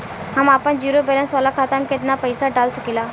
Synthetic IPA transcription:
hamapəɳd͡ʑiɾobelənsʋalakʰat̪amket̪napəjsaɖalsəkila

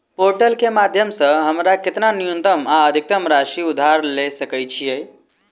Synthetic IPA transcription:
poɾʈəlkemad̪ʱjəmsəɦəmɾakit̪nanijunt̪əmaəd̪ʱik̚t̪əmɾaʃiud̪ʱːaɾlesəkəjt͡ʃʰije

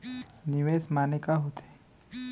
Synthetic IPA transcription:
nɪʋeːsmaːnekaɦoːt̪e

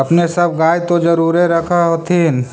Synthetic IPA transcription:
ɐpnesəb̚ɡaːjt̪od͡ʒəɾuːɾeɾəkʰaɦot̪ʰin

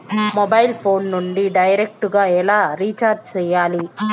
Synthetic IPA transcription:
mɔbɐɪlpoːnnuɳɖiɖɐjɾɛk̚ʈɯɣaːɛlaːɾiːt͡ʃaːɾd͡ʒsɛjːaːli

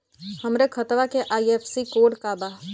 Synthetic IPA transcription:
həmɾekʰət̪ʋakeʔaːieːfsikoːɖkabaː

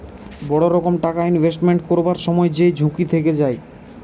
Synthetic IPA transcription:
bɔɽoɾɔkomʈakainvʱesʈmeɳʈkoɾbaɾʃɔmɔed͡ʑejd͡ʑʱukit̪ʰeked͡ʑaj

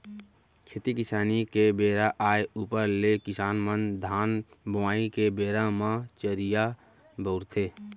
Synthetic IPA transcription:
kʰet̪ikɪsaːnikebeːɾaʔaːeuːpəɾlekɪsaːnmənd̪ʱaːnbəaːikebeːɾãmãt͡ʃəɾija | bəʊɾt̪ʰeː

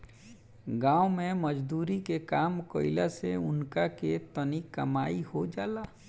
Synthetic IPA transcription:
ɡãːwmẽmɐd͡ʒd̪uːɾikekaːmkoːɪlaseʊnkaket̪ənikɐmaːihod͡ʒaːlaː

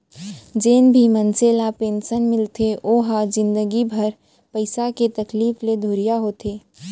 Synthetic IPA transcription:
d͡ʒeːnbʱimənseːlapeːnʃənmɪlt̪ʰeʔoːɦazɪ̃nd̪əɡibʱɐɾ | pəɪsaket̪ɐkliːfled̪ʱuɾijaɦoːt̪eː

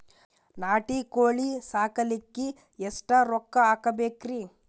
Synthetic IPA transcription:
naːʈikoːɭisaːkɐlikːi | ɛsʈɐɾɔkːɐaːkɐbeːkɾi

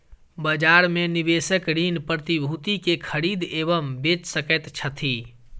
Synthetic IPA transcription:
bəd͡ʒaɾmenibesəkɾinpɾət̪ibʱut̪ikekʰəɾid̪eβəmbet͡ʃsəkɛt̪t͡ʃʰət̪ʰi

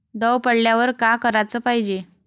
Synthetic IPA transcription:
d̪əwpəɽljaʋəɾkakəɾat͡səːpaɦid͡ʑe

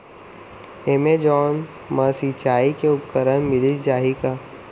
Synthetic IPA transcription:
eːmed͡ʒɔːn | mɐsit͡ʃaːikeʊp̚kəɾənmɪlid͡ʒd͡ʒaːɦika

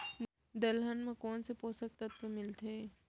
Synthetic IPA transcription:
d̪ɐlɦɐnmẽkɔːnsepoːsək̚t̪ɐt̪ːomɪlt̪ʰe

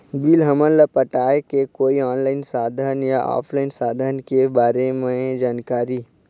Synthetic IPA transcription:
bilɦəmənlɐpɐʈaːekekoːiɔːnlaːɪnsaːd̪ʱaːnjaɔ̰ːpʰlaːɪnsaːd̪ʱaːnkebaːɾemẽd͡ʒaːnkaːɾiː

